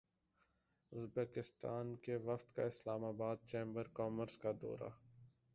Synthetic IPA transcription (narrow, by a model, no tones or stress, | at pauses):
ʊzbeːkɪst̪aːnkeʋɐft̪ka̰ɪslaːmaːbaːd̪̚t͡ʃẽːmbəɾkɔːməɾskad̪ɔ̰ːɾa̰